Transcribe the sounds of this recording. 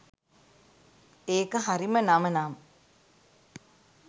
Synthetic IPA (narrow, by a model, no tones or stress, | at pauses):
eːkəɦaɾimənamənaːm